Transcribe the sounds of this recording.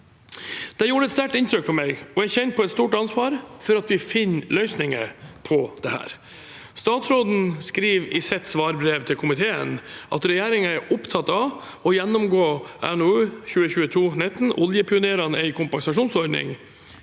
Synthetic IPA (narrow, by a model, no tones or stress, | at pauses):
d̪̥ɛjuːɖəɛt̪st̪æʈɪnt̪ɾʏkfɔmɛɡɔæɪçɛnt̪̚pʰɔɛt̪st̪uːʈɑnsʋɑːɾfɔɾɑt̪ʋɪfɪnːlœʏsnɪŋə̰pʰɔd̪̥ɛhæ̰ːɾ | st̪ɑːt̪sɾoːd̪n̩skɾiːʋɪsɛt̪ːsʋɑːɾbɾeːʋt̪ʰɪlkʰʊmɪt̪ʰeːə̰nʔɑ̰t̪ɾɛjeːɾɪŋəæɾʔʊpt̪ʰɑt̪ːɑʋ | ɔjɛnːʊmɡoːʔɛ̰noʉːçʉːəçʉːət̪ʰuːnɛt̪n̩ʔɔljəpʰɪʊneːɾɑnɛɪkʰʊmpɑŋsɑʂuːnsɔɾɖnɪ̰ŋ